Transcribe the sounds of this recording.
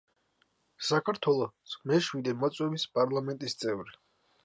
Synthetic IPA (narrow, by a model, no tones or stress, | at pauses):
sakʰaɾt̪ʰwɛlˠɔsmɛʃwid̪ɛmɔt̪sʼwɛvispʼaɾlˠamɛnt̪ʼist̪sʼɛvɾi